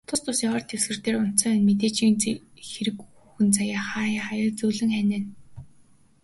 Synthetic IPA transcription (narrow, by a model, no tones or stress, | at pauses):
t̪ʰʊst̪ʰʊsiɔːrt̪ʰewsɡɘ̆r̥t̪eːrʊn̥t̪t͡sœːʊnmet̪eːt͡ɕiːnxeɾɘ̆kuxɘ̆nt͡sajaːχaːjaːχajə̆rt͡suːɮɘ̆ŋχænʲeːn